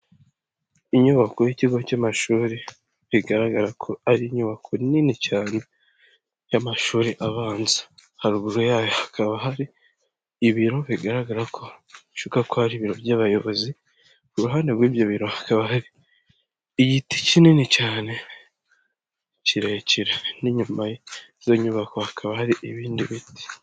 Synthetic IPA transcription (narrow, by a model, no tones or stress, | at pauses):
iɲuβakojiciɡo̞camaʃuːɾe | βiɡaɾaɡaɾakʰo̞aɾiːɲuβakʰoninicaːne̞ | jamaʃuːɾeʔaβaːnzḁhaɾuβuɾojaːjohḁkʰaβaɦaɾiː | βiɾo̞βiɡaɾaɡaɾakʰo̞ʃukakohaɾiβiɾo̞βjaːβajo̞βo̞zi | kuɾuɦaːnde̞ɡwiːvjoβiɾo̞hḁkaβahaɾiː | ɟiti̥cinenicaːne̞ | ciɾeciɾeniɲumajezo̞ɲuβakohakʰaβahaɾiʔiβiːndiβiti̥